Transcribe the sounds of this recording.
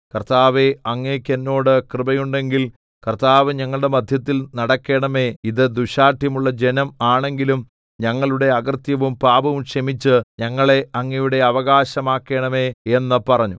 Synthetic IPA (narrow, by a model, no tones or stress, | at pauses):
kɐrt̪aːʋeɐŋːekʲːenːo̞ːɽɨkrɨbɐjuɳɖe̞ŋɡil | kɐrt̪aːʋɨɲɐŋːɐɭɽe̞mɐd̪ʱjɐt̪ːilnɐɽɐkːe̞ːɳɐme̞iðɨd̪uɕaːʈʰjɐmuɭːɐd͡ʑe̞nɐmaːɳe̞ŋɡilum | ɲɐŋːɐɭuɽe̞ɐɣɐrt̪jɐʋumpaːbɐʋumɕɐmit͡ɕːɨɲɐŋːɐɭe̞ɐŋːɐjuɽe̞ɐʋɐɣaːɕɐmaːkːe̞ːɳɐme̞e̞nːɐpɐrɐɲːu